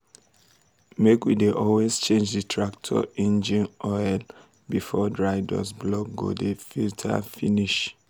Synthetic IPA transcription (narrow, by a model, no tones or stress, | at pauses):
mekwideʔɔlwezt͡ʃẽnd͡ʒditʰɹak̚tʰɔ̰ĩnd͡ʒĩnʔɔɪl | bifɔdɹaɪda̰sblɔkɡo̰defiltʰa̰finiʃ